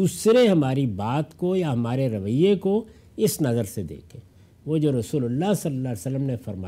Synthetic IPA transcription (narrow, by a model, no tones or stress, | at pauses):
uːsɾeɦɐmaːɾibaːt̪kojaɦɐmaːɾeɾɐʋəjeko | ɪsnɐzəɾsed̪ḛːkʰẽː | ʋod͡ʒoɾɐsuːlʊlːasɐlːəlːaːlesəlːəmnefɐɾma